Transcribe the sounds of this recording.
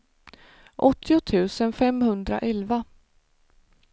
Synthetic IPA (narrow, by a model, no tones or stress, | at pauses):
ʔɔt̪ʰːɪʊt̪ʰʉ̟ːsənfɛmhɵnd̪ɾa̰ʔɛlva